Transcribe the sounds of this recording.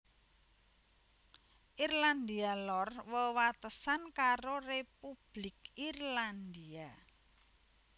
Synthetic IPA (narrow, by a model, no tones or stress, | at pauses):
ʔirland̪ialɔrwəwat̪əsankaɾorepub̥lɪkirland̪ia